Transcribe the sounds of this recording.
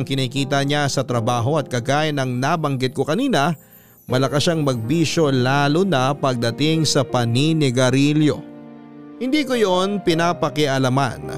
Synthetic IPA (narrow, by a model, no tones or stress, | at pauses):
ŋkɪniːkiːt̪ɐɲasɐt̪ɾɐbaːɦo̞ɐt̪̚kɐɡaːjɐnɐŋnabɐŋɡɪt̪̚kokɐniːnɐ | mɐlɐkaʃaŋmɐɡ̚biːʃo̞laːlonɐpɐɡ̚d̪ɐt̪ɪŋsɐpɐninɪɡɐɾiljo̞̰ | hɪnd̪iːkojonpɪnaːpɐkɪʔɐlɐma̰n